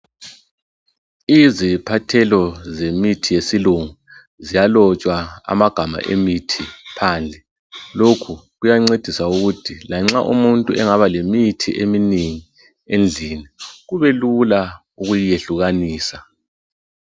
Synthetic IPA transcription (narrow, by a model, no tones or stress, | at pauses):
izipʰatʰɛlɔzemitʰijesiluŋu | zijalɔt͡ʃʼwaa̰maɡ̥ʱama̰ʔḛmitʰipʰaːnd͡ɮʱɛ | lokʰuɣujaŋ͡ǀed̥ʱisauɣutʰilaŋ͡ǁaʔṵmuntʼuɛŋaβalemitʰḭʔeminiŋi | end͡ɮʱiniɣuβɛlula | uɣujijeɬuɣaniːsa